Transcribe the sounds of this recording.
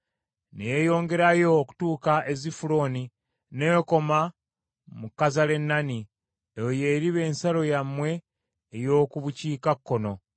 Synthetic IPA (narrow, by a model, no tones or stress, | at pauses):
nejejo̞ːŋɡe̞ɾajo̞ːku̥tuːkaʔe̞zifulo̞ːni | neko̞ma | mukːazale̞nːani | ejoje̞ɾiβe̞ːnsalo̞jamwe̞ː | jo̞ːkuβuciːkakːo̞no̞